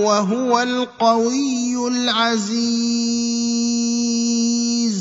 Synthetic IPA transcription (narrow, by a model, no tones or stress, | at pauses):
waɦʊwal | qɑwɪjːʊlʕazi | z